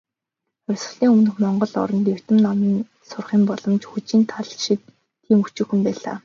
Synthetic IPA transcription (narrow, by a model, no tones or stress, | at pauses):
ʊrʲsɵ̆ɮiːŋɵmɵ̆nɵ̆xmɔɴɢɞ̆ɮɔ̰ɾɞ̆nt̪er̥t̪ɘ̆mnɔmiːn | sʊrχiːmpɔɮɞ̆mt͡ɕxut͡ɕiːnt̪ʰaɮʃit̪ʰː | iːmut͡ɕŭwxɘ̆mpæːɮa̰ː